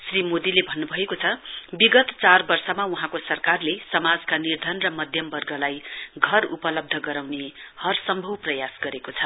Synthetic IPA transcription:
srimod̪ilebʱʌnːubʱʌekot͡sʰʌbiɡʌt̪t͡sarbʌrsʌmauɦãkosʌrkarlesʌmad͡zkanird̪ʱʌnrʌmʌd̪ʱjʌmbʌrɡʌlajɡʱʌrupʌlʌb̚d̪ʱʌɡʌɾawnehʌrsʌmbʱʌwprʌjasɡʌɾekot͡sʰʌ

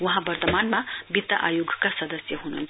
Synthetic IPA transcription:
wuɦãbɐɾt̪əmanmabit̪ːa̰ʔajoɡkasɐd̪əsjəɦunṵːnt͡sʰ

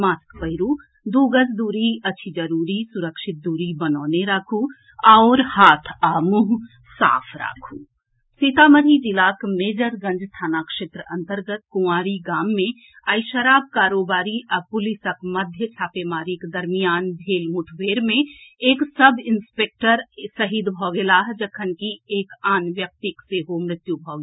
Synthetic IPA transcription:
maːskpɐɪɾuː | d̪uːɡəsd̪uːɾiɐtːʃʰid͡ʒɐɾuːɾisʊɾəkʃɪt̪̚d̪uːɾibɐnɔːneɾaːkʰu | ɔːɾhaːt̪ʰaːmuɦ | sa̰ːpʰɾa̰ːkʰuː | siːt̪aːməɾid͡ʒɪlaːkmeːd͡ʒəɾɡə̃ɲd͡ʒst̪ʰaːnakʃɪt̪ɾəʔɐ̃nt̪əɾɡət̪̚kʊaːɾiɡaːmːẽ | əɪʃəɾaːb̚kaːɾoːbaːɾiʔɐpʊlisəkmɐd̪ʱjət͡ʃʰaːpemaːɾiked̪əɾmijaːnbʱeːlmuʈʰʋeːɾmẽeːksəbʱɪnspek̚ʈəɾsəɦid̪bʱɔːɡelaːɦd͡ʒɐkʰənkieːkaːnʋjək̚t̪ikseɦomɾɪt̪jubʱɔɡ

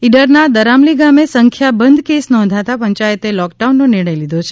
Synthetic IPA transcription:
iɖəɾnad̪əɾamliɡamesəŋkʰjabənd̪ʱkesnɔ̃nd̪ʱat̪apəɲt͡ʃajət̪elɔkɖaunːoniɭəjlid̪ʱot͡ʃʰe

